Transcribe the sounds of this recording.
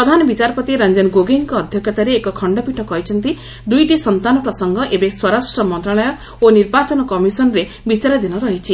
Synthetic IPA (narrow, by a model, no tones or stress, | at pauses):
pɾɔd̪ʱanɔbit͡ʃaɾɔpɔt̪iɾɐnd͡ʒenɡoɡeŋkɔːd̪ʱjɔkɔt̪aɾeːkɔkʰɔɳɖɔpiʈʰɔkɔɦit͡ʃʰɔnt̪i | d̪ujʈisɔnt̪anɔpɾɔsɔŋɡɔʔebeswɔɾasʈɾɔmɔnt̪ɾaɭɔjɔ | oniɾbat͡ʃɔnɔkɔmisɔnɔɾe | bit͡ʃaɾɔd̪inɔɾɔɦit͡ʃʰi